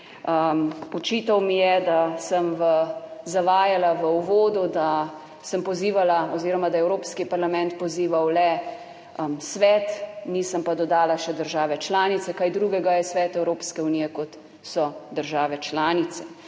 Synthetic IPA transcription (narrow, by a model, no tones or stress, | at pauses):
əmɔt͡ʃiːt̪awmijɛd̪asəmʋəzaʋaːjalaʋəuʋoːd̪ud̪a | səmpɔziːʋalaɔziːɾɔmad̪ajɛwɾoːpskipaɾlamɛ̃nt̪pɔziːʋawlɛ | sʋɛt̪nisəmpad̪ɔd̪aːlaʃɛd̪əɾʒaːʋɛt͡ʃlaːnit̪sɛkaːjd̪ɾuːɡɛɡajɛsʋɛːt̪ɛwɾoːpskɛunijɛkɔt̪ | sɔd̪əɾʒaːʋɛt͡ʃlaːnit̪sɛ